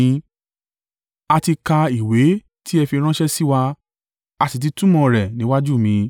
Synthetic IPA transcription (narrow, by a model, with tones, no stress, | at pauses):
a˧ti˧ka˧i˨we˨˦ | ti˦ɛ˧fi˧ɾ̃ã˦ʃɛ˦si˦wa˧ | a˨˧ti˨t̬i˧tũ˦mɔ̃˧ɾɛ˨nĩ˨˦wa˦d͡ʒu˦˨mĩ˨˧˦